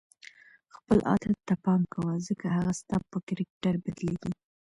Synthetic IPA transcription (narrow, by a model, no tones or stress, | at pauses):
xpəlʔɑ̰t̪at̪ːapɑmkawazəkahaɣast̪ɑpːəkɪɾɪk̚ʈaɾbad̪led̪i